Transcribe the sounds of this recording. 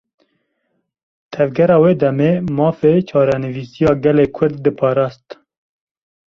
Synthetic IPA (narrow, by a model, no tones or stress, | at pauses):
t̪ʰɛvɡɛɾɑːweːd̪ɛmeːmɑːfeːt͡ʃʰɑːɾɛnɨviːsijɑːɡɛleːkʰʊɾd̪ːɨpʰɑːɾɑːst̪